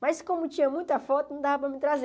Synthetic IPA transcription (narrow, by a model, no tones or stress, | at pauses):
mɐjskõmʊt͡ʃĩɲɐmũj̃t̪ɐfɔt̪ʊnɐ̃w̃d̪avɐp̬ɾɐmɪt̪ɾaze